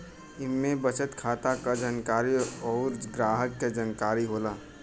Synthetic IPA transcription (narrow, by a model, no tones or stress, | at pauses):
ɪnmebət͡ʃət̪kʰaːt̪akad͡ʒənkaːɾiɔːɾɡɾaːɦəkːed͡ʒənkaːɾiɦoːlaː